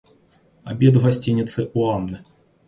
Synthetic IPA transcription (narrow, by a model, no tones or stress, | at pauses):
a̰bʲɛd̪ɣasʲt͡sʲinʲit̪sɨʔuanːɨ